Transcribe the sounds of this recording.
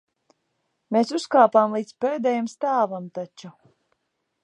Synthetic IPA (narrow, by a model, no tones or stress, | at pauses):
mesuskaːpaːmlˠiːt̪speːd̪ɛjamst̪aːvamt̪at͡ʃu